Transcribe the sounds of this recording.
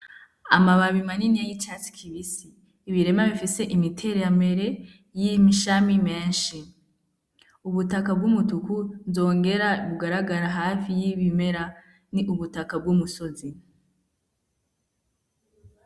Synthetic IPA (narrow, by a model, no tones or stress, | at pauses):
amaβaβimaninijajit͡ʃat͡si̥kʰiβisiː | βiɾe̞maβifise̞ʔimitʰe̞ɾejambe̞ɾe̞ | jimiʃamimeːnʃi | uβutakab̚ɡumutukunzo̞ːŋɡe̞ɾaβuɡaɾaɡaɾaɦafijiβime̞ɾa | niʔuβutakab̚ɡumuso̞zi